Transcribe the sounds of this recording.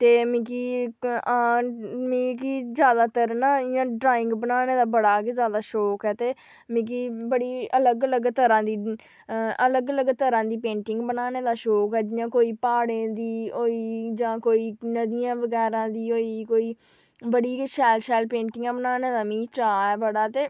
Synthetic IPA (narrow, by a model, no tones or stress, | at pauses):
t̪eːmĩːkiːaːmĩːkiːzjaːd̪aːt̪əɾnaːɪjãːɖɾaːɪ̃ŋɡbənaːneːd̪aːbəɽaːkezjaːd̪aːʃɔːkɛːt̪eː | mĩːk̬iːbəɽiːələɡələɡt̪əɾãːd̪iː | ʔələɡələɡt̪əɾãːd̪iːpẽːɳʈɪ̃ŋɡbənaːneːd̪aːʃɔːkɛːd͡ʒɪjãːkoːiːpaːɽẽːd̪iːoːiːd͡ʒãːkoːiːnəd̪ɪjãːʋəɡɛːɾãːd̪iːoːiːkoːiː | bəɽiːkʃɛːlʃɛːlpẽːɳʈɪŋɡãːbənaːneːd̪aːmĩːt͡ʃaːɛːbəɽaːt̪eː